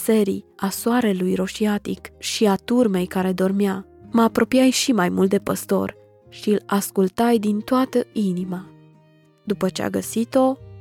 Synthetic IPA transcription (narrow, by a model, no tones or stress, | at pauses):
se̞ɾḭasoaɾe̞lujɾo̞ʃiat̪ikʃiat̪urme̞jkaɾe̞d̪o̞rmeaməapɾo̞pijajʃimajmult̪d̪e̞pə̰st̪o̞̰r | ʃiɨlaskult̪ajd̪int̪oat̪əinima | d̪upət͡ʃea̰ɡəsit̪o̞